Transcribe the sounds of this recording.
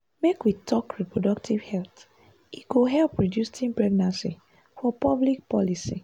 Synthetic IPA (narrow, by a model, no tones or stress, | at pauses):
mekwitʰɔkɹɛpɹɔdɔk̚tʰivhɛlθ | iɡoɦɛlpɹɔdjusĩnpɹɛɡnãnsḭ | fɔpʌblik̚pɔlisḭ